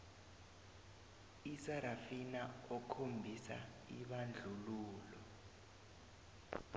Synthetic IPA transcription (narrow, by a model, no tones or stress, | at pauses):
isaɾafinaɔkʰombʱisa̰ | iɓand͡ɮʱuluːlɔ